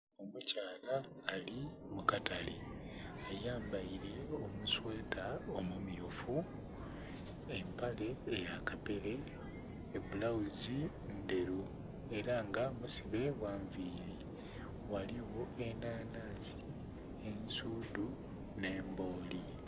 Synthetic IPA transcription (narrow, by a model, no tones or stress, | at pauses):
omucaːlaː | li | mukataliajaːmbaiɾiomuswe̞ːtaomumijofu | empale̞ːjakape̞ɾeː | bulawuzi | nde̞ɾu | e̞ɾaŋɡamusiβe̞βwaːɱviːɾi | waliwo̞e̞naːnaːzi | ensuːdu | ne̞ːmbo̞ːli